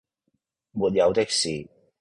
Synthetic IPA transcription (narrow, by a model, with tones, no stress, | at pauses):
muː˨˩t̚jɐ˨˧wt̪ɪ˥k̚siː˨˩